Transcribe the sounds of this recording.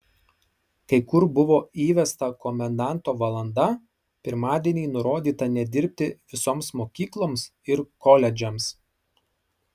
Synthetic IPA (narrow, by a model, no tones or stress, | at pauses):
kɐɪkʊɾbʊʋoːiːʋʲɛst̪ɐkɔmʲɛnd̪ɑˑnt̪oːʋɐlˠɐnd̪ɐ | pʲɪɾmɑːd̪ʲiɛnʲiːnʊɾoːd̪ʲiːt̪ɐnʲɛd̪ʲɪɾʲpʲt̪ʲɪʋʲɪsoːmsmoːkʲiːklˠoːms | ɪɾkɔlʲɛd͡ʒʲɛms